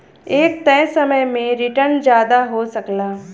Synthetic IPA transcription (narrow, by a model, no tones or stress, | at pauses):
eːk̚t̪ɛ̃ːsɐməjmẽɾɪʈəɾnd͡ʒjaːd̪aɦosɐklaː